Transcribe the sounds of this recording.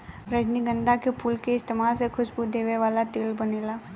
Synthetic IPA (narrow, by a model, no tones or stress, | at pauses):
ɾəd͡ʒniɡə̃nd̪akepʰuːlkeɪst̪eːmaːlsexʰʊʃbud̪eːʋeʋaːlat̪eːlbɐneːlaː